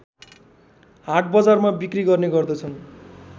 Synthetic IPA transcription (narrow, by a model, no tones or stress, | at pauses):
ɦaʈ̚ʰbʌd͡zarmabikriɡʌrneɡʌrd̪ʌt͡sʰʌn